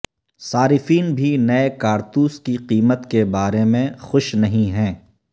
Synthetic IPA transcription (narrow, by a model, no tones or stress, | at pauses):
saːɾɪfiːnbʱinɐekaːɾt̪uːskiqiːmət̪kebaːɾemẽxʊʃnɐɦĩɦɛ̃ː